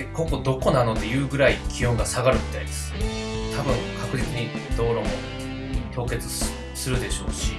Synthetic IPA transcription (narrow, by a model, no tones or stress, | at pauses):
koko̞d̪o̞ko̞nano̞d̪e̞jɯ̟ːɡɯ̟ɾaikʲijõ̞ŋɡasaɡaɾɯ̟mʲi̥t̪aid̪e̞̥sɨ̥ne | t̪abɯ̟̃ŋkʰakɯ̟ɾit͡sɨɲ̟id̪o̞ːɾo̞mo̞̰ | t̪o̞ːke̞t͡sɨ̥ | sɨɾɯ̟d̪e̞ɕo̞̰ːɕi